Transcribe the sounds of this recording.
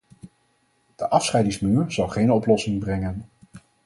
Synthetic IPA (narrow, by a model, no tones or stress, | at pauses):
d̥əʔɑfsχɛjdɪŋsmyːɹz̥ɑlˠχejnɔplɔsɪŋbrɛŋən